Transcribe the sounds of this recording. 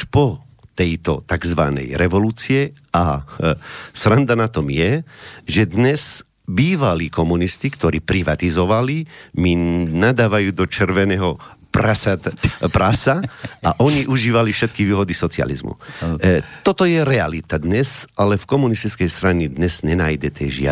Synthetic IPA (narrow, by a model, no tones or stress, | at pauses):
ʃpɔ | t̪ɛjt̪ɔ̰t̪aɡzʋa̰nɛ̰jɾɛʋɔluːt͡siɛ | a | sɾand̪anat̪ɔmjɛʒɛd̪ɲɛz | biːʋaliːkɔmunist̪ikt̪ɔɾiːpɾiʋat̪izɔʋaliminad̪aːʋajuːd̪ɔt͡ʃɛrʋɛnɛɦɔpɾasat̪pɾasaaʔɔɲiʔuʒiːʋalifʃɛt̪kiʋiːɦɔd̪isɔt͡sia̰lḭzmṵ | t̪ɔt̪ɔjɛɾɛalit̪ad̪ɲɛzalɛfkɔmunist̪it͡skɛjst̪ɾanid̪ɲɛz̥ɲɛnaːjd̪ɛt̪ɛːʒɪa̰